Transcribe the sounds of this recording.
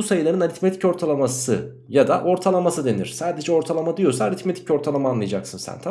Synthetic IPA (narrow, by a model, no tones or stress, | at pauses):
usajɯlˠaɾɯnaɾit̪met̪ʰi̥co̞ɾt̪ʰalˠamasɯ | jad̪aʔo̞ɾt̪ʰalˠamasɯd̪e̞nḭɾ̥saːd̪e̞d͡ʒɛo̞ɾt̪ʰalˠamad̪ijo̞saːɾit̪me̞t̪ʰico̞ɾt̪ʰalˠamaːnlˠajad͡ʒaksɯnsæ̰nt̪ʰa